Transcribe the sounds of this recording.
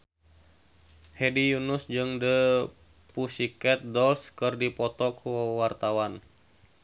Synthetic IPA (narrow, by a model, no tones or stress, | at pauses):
hɛdijunusd͡ʒɨŋdə | pusikɛt̪̚dɔlskɨrdipɔt̪ɔkuwəwart̪awan